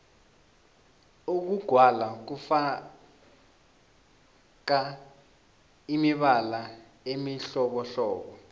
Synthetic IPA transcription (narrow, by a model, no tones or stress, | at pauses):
uk̬uɡ̥ʱwalak̬ufa | k̬a | imiɓala | emiɬɔɓɔɬɔːɓɔ